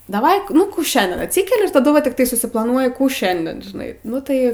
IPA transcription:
dɐˈʋɐɪ ˈnʊ ˈkuː ˈʃʲɛnʲdʲiɛn ɐtʲˈsʲiːkʲɛlʲɪ ɪr tɐˈdʊ ʋɐ tʲɪkˈtɐɪ sʊsʲɪplˠɐˈnuɔjɪ ˈkuː ˈʃʲɛnʲdʲiɛn ʒʲɪˈnɐɪ ˈnʊ tɐɪ

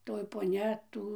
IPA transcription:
ˈtoːj poːˈnʲɛ ˈtuː

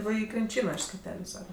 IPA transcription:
ˈʋɐ ˈiː krʲɪnʲˈt͡ʃʲiːnoː ɪʃ sʲkʲɛˈtʲæːlʲʊ ˈsɑːkɐt

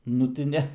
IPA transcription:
ˈnʊ tʲɪ ˈnʲɛ

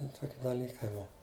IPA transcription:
ˈtoːkʲɪ dɐˈlʲiːkɐɪ ˈbʊʋɐ

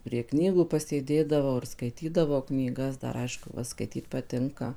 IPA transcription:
pʲrʲiɛ ˈknʲiːɡuː pɐsʲeːˈdʲeːdɐʋɐʊ ɪr skɐɪˈtʲiːdɐʋɐʊ knʲiːˈɡɐs ˈdɐr ˈɐɪʃkʊ ˈʋɐ skɐɪˈtʲiːt pɐˈtʲɪŋkɐ

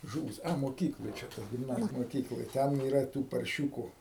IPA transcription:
ˈʒuːʋʲɪs ɐ moːˈkʲiːklˠoːj ˈt͡ʃʲɛ tɐ ɡʲɪmˈnɑːzʲɪj moːˈkʲiːklˠoːj ˈtʲɛn iːˈrɐ ˈtuː pɐrʲˈʃʲuːkʊ

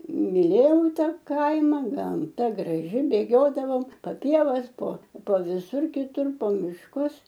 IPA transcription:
mʲɪˈlʲeːjɛʊ ˈtɐ ˈkɐɪmɐ ɡɐmˈtɐ ɡrɐˈʒʲɪ bʲeːˈɡʲoːdɐʋoːm pɐ ˈpʲiɛʋɐs poː poː ʋʲɪˈsʊr kʲɪˈtʊr poː mʲɪʃˈkʊs

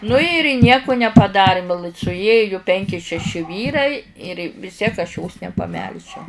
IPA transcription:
nʊ ɪr ˈnʲiɛkʊ nʲɛpɐˈdɑːrʲɪm sʊˈeːjʊ ˈpʲɛŋʲkʲɪ ʃʲɛˈʃʲɪ ˈʋʲiːrɐɪ ɪr ʋʲɪs ˈtʲiɛk ɐʃ joːs nʲɛpɐˈmʲɛlʲʒʲɛʊ

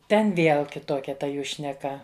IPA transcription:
ˈtʲɛn ˈʋʲeːlˠ kʲɪtˈoːkʲɛ tɐ ˈjuː ʃʲnʲɛˈkɐ

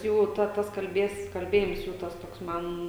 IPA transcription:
ˈjuː ˈtɐ ˈtɐs kɐlʲˈbʲeːs kɐlʲˈbʲeːjɪms ˈjuː ˈtɐs ˈtoːks ˈmɐn

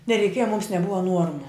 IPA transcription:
nʲɛrʲɛɪˈkʲiɛjɛ mʊms nʲɛˈbʊʋɐ ˈnuɔrmʊ

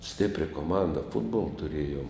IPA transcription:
ˈsʲtʲɪpʲrʲɛ koːˈmɐndɐ ˈfʊdboːlˠɐ tʊˈrʲeːjoːm

